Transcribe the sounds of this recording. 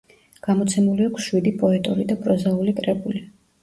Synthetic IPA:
ɡ̥amɔt̪sʰɛmuliakʰsʃwid̪ipʼɔɛt̪ʼuɾid̪apʼɾɔzaulikʼɾɛbuli

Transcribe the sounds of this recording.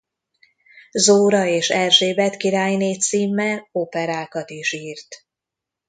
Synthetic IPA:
zoːɾɒeːʃɛrʒeːbɛt̪kiɾaːjneːt̪siːmːɛlopɛɾaːkɒt̪iʃiːrt̪

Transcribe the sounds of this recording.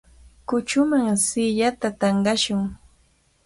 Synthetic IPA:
kʊt͡ʃʊmaŋsɪʎat̪at̪ɑɴɢɑʃʊŋ

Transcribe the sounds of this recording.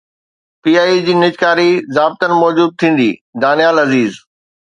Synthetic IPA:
piːaːid͡ʑiːnɪd͡ʑkaːɾizaːb̚t̪ənɪ̆mɔːd͡ʑuːd̪̚t̪ʰĩːn̆d̪ḭːd̪aːnijaːlɐziːz

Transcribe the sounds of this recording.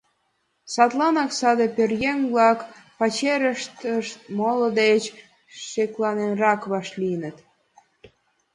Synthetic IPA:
sɑt̪lɑnɑksɑd̪epʲørjenβlɑkpɑt͡ɕeɾəʃt̪əʃt̪̚molod̪et͡ɕ | ʃeklɑnenrɑkβɑʃlinə̆t̪

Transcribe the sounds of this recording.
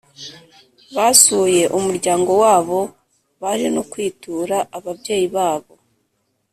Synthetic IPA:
βasuːje̞ʔumuɾɟaːŋɡo̞waːβo̞ | βaɾinokwiːtuːɾaʔaβabɟe̞ːjiβaːβo̞

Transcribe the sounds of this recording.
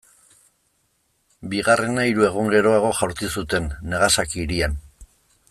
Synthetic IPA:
biɣare̞naiɾue̞ɣ̞uŋɡe̞ɾo̞aɣ̞o̞ʝawɾt͡sisut̪e̞nːe̞ɣasakiɾian

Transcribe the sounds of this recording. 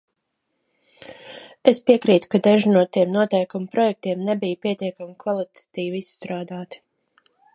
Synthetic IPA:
espiɛkɾiːt̪u̥kad̪ɛʒinuɔt̪iɛmnuɔt̪ɛjkumpɾɔjɛk̚t̪iɛmnebijpiɛt̪iɛkamikvalˠit̪ʰḁt̪iːvist̪ɾaːd̪aːt̪i̥

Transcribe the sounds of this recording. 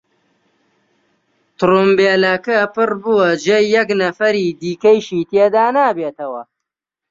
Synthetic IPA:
t̪ɾumbeːlɐkɐpɨrbuwɐd͡ʒejːɛknɐfɐɾiːd̪iːkɐjʃiːt̪eːd̪aːnaːbeːt̪ɐwɐ̰

